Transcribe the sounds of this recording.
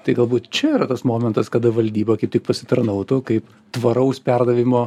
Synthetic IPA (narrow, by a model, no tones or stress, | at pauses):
t̪ɐɪɡɐlˠbuːt̪t͡ʃʲɛiːɾɐt̪ɐsmoːmʲɛnt̪ɐskɐd̪ɐʋɐlʲd̪ʲiːbɐkɐɪp̚tʲɪk̚pɐsʲɪt̪ɐrnɐʊt̪ukɐɪp | t̪ʋɐɾɐʊspʲɛrd̪ɐʋʲɪmoː